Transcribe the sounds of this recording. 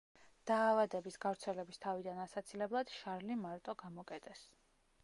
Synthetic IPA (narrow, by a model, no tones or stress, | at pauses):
d̪̥aːvad̪ɛbisɡavɾt̪sʰɛlɛbist̪ʰavid̪anasat̪sʰilɛblˠad̪̥ʃaɾlimaɾt̪ʼɔɡamɔkʼɛt̪ʼɛs